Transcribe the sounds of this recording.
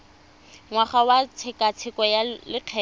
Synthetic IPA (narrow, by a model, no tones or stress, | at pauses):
ŋwaχawat͡sʰɪkʼat͡sʰɪkʼɔjalɪq͡χʰɛː